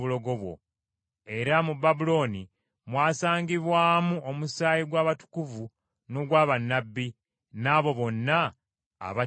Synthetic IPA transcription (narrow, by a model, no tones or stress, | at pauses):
βulo̞ɡo̞βwo̞̰ | e̞ɾamubabulo̞ːni | mwaːsaːŋɡiβwaːmuomusaːjiɡwaːβatu̥kuvu | no̞ɡwaːβanːabːi | naːβo̞βo̞nːa̰ː | βa